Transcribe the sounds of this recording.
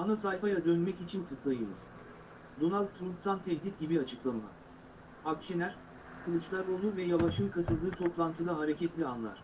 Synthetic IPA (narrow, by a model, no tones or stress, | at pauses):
anasajfajad̪ønmɛcit͡ʃʰint̪ʰɯplˠajɯmɯ̰z̥ | d̪o̞nalʲd̪ʰɾump̚t̪ʰant̪ʰɛɦd̪it̪̚ʲɟibiat͡ʃʰɯklˠama̰ | akʃenʲæɾ̥ | kʰɯlˠɯt͡ʃlˠaɾolˠuvɛjavaʃɯmkʰat̪ʰɯlˠd̪ɯːt̪ʰo̞plˠant̪ʰɯd̪aɦaɾecʰɛt̪lʲianlˠa̰ɾ̝̥